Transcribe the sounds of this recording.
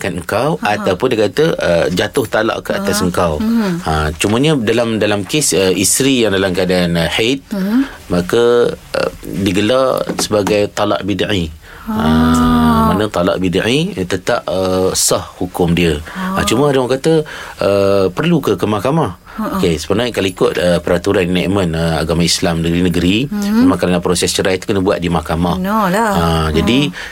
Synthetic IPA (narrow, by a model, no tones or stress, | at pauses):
kanəŋkawat̪awpʊndikat̪əəd͡ʒat̪ʊht̪ala̰ʔkəa̰t̪asəŋkawat͡ʃuməɲə̃dalamdalamkesəist̪ɾijaŋdalamkadanəhet̪̚makəə̰diɡəlasəbaɡajt̪ɔla̰ʔbidaʕi | a | manə̃t̪ɔla̰ʔbida̰ʕit̪ət̪aʔəsɔhhukʊmdiəat͡ʃuməaɾiwɔŋkat̪əəpərlukəkəmahkamah | okesə̥pənakaloikʊt̪̚əpəɾat̪uɾannaʔmə̃nəa̰ɡamaislamnəɡəɾinəɡəɾiamãkaɾənapɾosɛst͡ʃəɾajt̪u̥kənəbuaʔ̪̚dimahkamahad͡ʒadi